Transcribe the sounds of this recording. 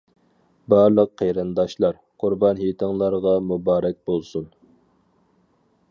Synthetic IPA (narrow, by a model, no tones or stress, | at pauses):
bɑɾlˠəqʰːejɾɨnd̪ɑʃlˠɑɾ | qʰʊɾbɑnɦit̪ʰɨŋlˠɑɾʁɑmubɑːɾɛk̚ʲbolˠsun